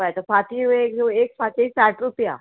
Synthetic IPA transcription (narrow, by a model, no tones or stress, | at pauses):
ajt̪əfat̪ʰiʋekd͡zoekfat̪isaʈɾupja̰